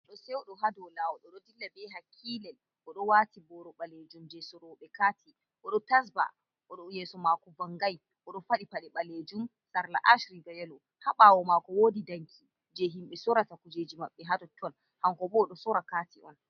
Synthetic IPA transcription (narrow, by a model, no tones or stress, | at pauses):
ɔɗɔsɛɔɗɔɦadɔlawɔɗɔɗɔdilːabɛɦakʰːiːlɛl | ʔɔɗɔwatibɔɾɔɓaled͡ʒumd͡ʒɛsɔɾɔɓɛkatʰi | ʔɔɗɔtas̬ba̰ | ʔɔɗɔjɛsɔmakɔvaŋɡaj | ʔɔɗɔfaɗipaɗɛɓaled͡ʒum | saɾla̰ʔaʃɾiɡajɛlɔ | haɓawɔmakɔwoːdidaŋkʰi | d͡ʒɛɦimɓɛsɔɾatakud͡ʒed͡ʒimaɓːɛɦadɔtʰːɔn | haŋkɔbɔːɗɔsɔɾakatiɔn